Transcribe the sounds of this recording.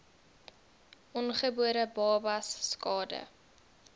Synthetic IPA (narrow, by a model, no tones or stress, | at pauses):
ʔɔnχəbuəɾəbɑːbɐsːkɑːdə̰